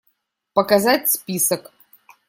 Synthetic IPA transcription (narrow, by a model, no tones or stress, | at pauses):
pəkazatʲspʲisək